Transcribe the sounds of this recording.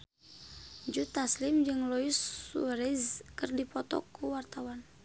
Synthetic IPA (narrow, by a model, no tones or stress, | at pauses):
d͡ʒut̪aslimd͡ʒɨŋlɔisṵɾɛzkɨrdipɔt̪ɔ̰kuwart̪awan